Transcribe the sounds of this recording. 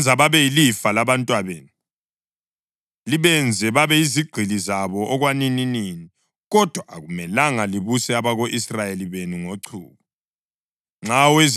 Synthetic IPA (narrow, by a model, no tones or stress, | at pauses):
d͡zʱaβaβɛjilifalaβantʼwaβeːnu | liβɛnd͡zʱɛβaβɛiziɡ͡ǀʱilizaβɔʔɔɣwanininiːni | ɣɔd̥ʱwaʔaɣumɛlaŋaliβusɛaβaɣoʔisrajeliβenuŋoǀʰṵːɣɔ | ŋ͡ǁawez